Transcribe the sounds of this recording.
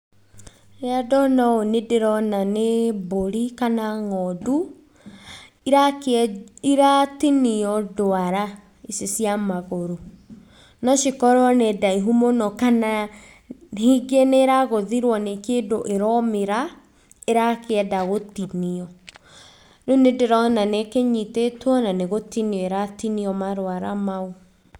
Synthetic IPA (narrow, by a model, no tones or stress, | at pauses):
eadɔnaonedeɾɔnaneboɾikanaŋɔdu | ɾakiɾatiniɔdoaɾa | isesiamaɣoɾo | nɔʃekɔɾɔnɛdaiɦumonɔkana | hiɡeneːɾaɣoðiɾwɔnekeːdoʔeɾɔmeɾa | eɾakeɛdaɣotiniɔ | nonedeɾɔnanekeɲitetwɔnaneɣotiniɔeɾatiniɔmaɾoaɾamao